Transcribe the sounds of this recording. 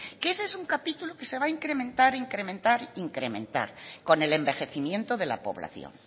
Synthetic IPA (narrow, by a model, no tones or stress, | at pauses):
kesesuŋkapit̪uluke̞se̞β̞aiŋkɾe̞mẽnt̪aɾiŋkɾemẽ̞nt̪aɾiŋkɾe̞mẽ̞̰nt̪a̰ɾko̞ne̞le̞mbe̞xe̞θimje̞nt̪oðe̞la̰po̞̰β̞la̰θjo̰ŋ